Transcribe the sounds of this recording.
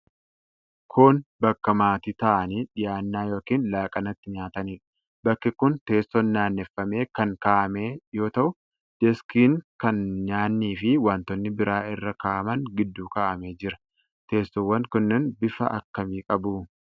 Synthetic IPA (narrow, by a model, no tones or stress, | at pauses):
kʰoːnbɐkːɐmaːt̪it̪ɐʔɐniːᶑɪjaːnːaːjo̞ːkiːnlaːkʼɐnɐt̪ːɪɲaːt̪ɐniːᶑɐ̥ | bɐkːɪkʊnt̪e̞ːst̪ɔnːaːnːɛfːɐme̞ːkɐŋkaːʔɐmeːjo̞ːt̪ɐʔʊ | d̪̥ɛskiːnkɐnɲaːnːiːfɪwaːnt̪ɔnːɪbɪɾaːʔɪrːɐkaːʔɐmɐŋɡɪd̪ːuːkaːʔɐmeːd͡ʒɪɾɐ̥ | t̪e̞ːst̪ɔwːɐnkʊnːɛnbɪfɐ̰ʔɐ̰kːɐmiːkʼɐbuː